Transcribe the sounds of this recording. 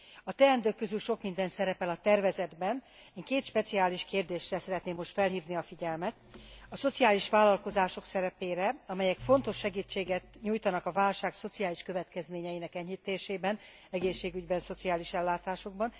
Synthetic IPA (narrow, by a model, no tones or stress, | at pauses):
ɒt̪ɛɛnd̪øːkːøzylʃo̞kmind̪ɛnsɛɾɛpɛlɒt̪ɛrvɛzɛd̪bɛn | iŋkeːt̪ʃpɛt̪siaːliʃkeːrd̪eːʃrɛsɛɾɛt̪neːmːo̞ʃt̪fɛlɦiːvniɒfiɟɛlmɛt̪ɒso̞t̪siaːliʃʋaːlːɒlko̞zaːʃo̞ksɛɾɛpeːɾɛɒmɛjɛkfo̞nt̪o̞ʃːɛɡiːt͡ʃːeːɡɛt̪ɲuːjt̪ɒnɒkɒvaːlʃaːkso̞t̪sijaːliʃkøvɛt̪kɛzmeːɲɛjinɛkɛɲːit̪eːʃeːbɛn | ɛɡeːʃːeːɡyɟbɛnso̞t̪siaːliʃɛlːaːt̪aːʃo̞ɡ̚bɒn